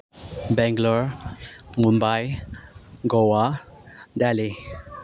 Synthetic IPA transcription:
bɛ̃ŋɡlɔɹ | mumbaj | ɡɔwa | dɛli

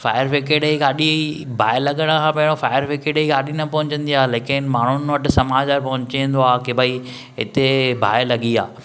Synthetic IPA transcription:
fa̰ːɪjəɾfekeːɗəiɡaːɗibʱaːɪlɐɠəɽ̃kʰãːpɐ̃ɦɪ̃ɽ̃ofaːɪəɾfekeːɗəiɡaːɗinɐpɐɦʊ̃ɲt͡ɕə̃nd̪iaːleːkɪnɪ̆maːɳ̤ʊnʋɐʈɪsɐmaːd͡ʑaɾpɐɦʊ̃ɲt͡ɕiə̃nd̪oaːkebʱɐi | ɦɪ̰t̪ebʱa̰ːelɐɠia̰ː

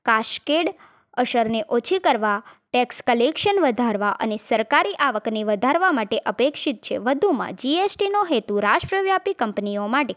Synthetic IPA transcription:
kaʃkeɽ | əʃəɾneʔot͡ʃʰikəɾʋaʈɛkskəlekʃənʋəd̪ʱaɾʋaʔə̰nesəɾkaɾiʔaʋəkneʋəd̪ʱaɾʋamaʈeʔəpekʃit̪̚t͡ʃʰḛʋəd̪ʱumã̰d͡ʒiesʈinoɦet̪uɾaʃʈɾəʋjapikəmpniomaʈe

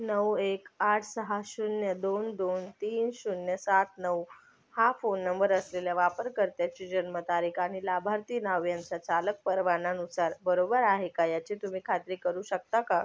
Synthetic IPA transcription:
nəwekaʈʰsəɦaɕunjəd̪ond̪ont̪iːnɕunjəsat̪̚ʰnəw | hafonːəmbəɾəsleljaʋapəɾkəɾt̪jat͡ɕiːd͡ʑənmət̪aɾiːkʰaɽ̃ilabʱaɾt̪iːnaʋjant͡sat͡salək̚pəɾʋananusaɾbəɾobəɾaɦekajat͡ɕit̪um̤iːkʰat̪ɾiːkəɾuːɕək̚t̪aka

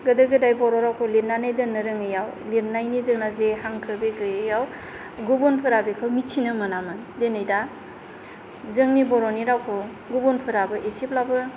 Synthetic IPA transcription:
ɡɯdɯɡɯdajbɔɾɔɾawkʰoleɾnanajdɯnɯɾɯŋɯjaw | leɾnajnizɯŋnazehaŋkʰɯbeɡɯjɯjaw | ɡobonpʰɯɾabekʰɯwmittʰinɯmɐnamɯ | denajda | zɯŋnibɔɾɔniɾawkʰo | ɡobonpʰɯɾabɯʔesiplabɯ

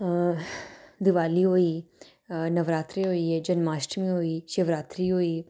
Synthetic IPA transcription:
d̪ɪʋaːliɦoːiː | nɐʋɾaːt̪ɾiɦoːiːed͡ʒɐnmaːsʈmĩɦoːiːʃeʋɾaːt̪ɾiɦoːiː

